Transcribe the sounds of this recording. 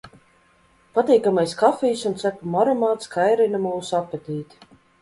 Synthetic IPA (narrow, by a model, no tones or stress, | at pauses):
pat̪iːkamajskafijsunt̪sæpumɔɾɔmaːt̪skʰajɾinamuːsapːɛt̪ʲiːt̪ʲ